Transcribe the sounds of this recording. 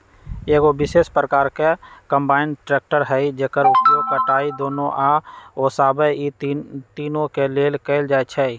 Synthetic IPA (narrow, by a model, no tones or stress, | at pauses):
eːkobɪʃeːspɾəkaːɾkekə̃mbaːɪnʈɾɛːk̚ʈəɾɦɛid͡ʒekəɾʊjokəʈaːid̪oːnõʔaoːsaːbəit̪iːnõkeleːlkeɪld͡ʒaːet͡ʃʰɛi